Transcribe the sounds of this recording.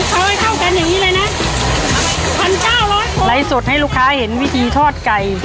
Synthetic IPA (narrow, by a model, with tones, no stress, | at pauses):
kʰa˧a˧˩t̪ʰa˥˩wka˧njaː˨˩ŋniː˦˥lɤː˧jna˦˥ | pʰa˧nt͡ɕaː˥˩wlɔ˦˥la˨˧˦jso˨˩t̪̚ha˥˩jluː˥˩kʰːaː˦˥he˩˦nwi˦˥t̪ʰiː˧t̪ʰɔː˥˩t̪̚ka˧j